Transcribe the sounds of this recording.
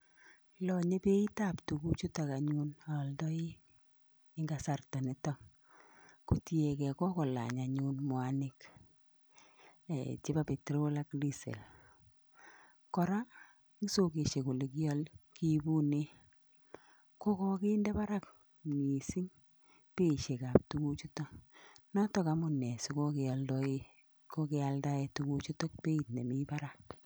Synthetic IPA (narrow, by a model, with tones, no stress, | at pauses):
lɔ˨ɲe˦pe˦i˦ta˨ptu˨ku˦t͡ʃu˦ta˨ka˨ɲu˦na˨ldɔ˦i˦ | ɪŋɡa˨sa˨rta˨nɪtɔŋ | ku˨ti˦e˨kɛ˨kɔ˦kɔ˨la̰˨ɲa˨ɲu˦nmwanɪ˦k | ɛ̰˨t͡ʃe˦ba˦pe˨tɾo˦la˦kdi˦sḛ˨l | kɔ˨ɾa˦ | ŋi˦so˦ke˨ʃe˨ko˨le˨ki˦ɔ˦lki˦bu˦ne˦ | ko˦ko˦ki˦ndɛ˦pa˦ɾa˦k | mi˨si˦ŋ | pe˦˨ʃe˨ka˨p̚tu˦ku˦t͡ʃu˦tɔ˦nɔ˦tɔ˨ka˨˦mu˨ne˨si˦ko˦ke˨a˨ldɔ˦i˦ | ko˦ke˦a˨lda˦e˨tu˦ku˦t͡ʃu˦tɔ˦k̚pe˦i˨tne˨mi˦pa˦ɾak̚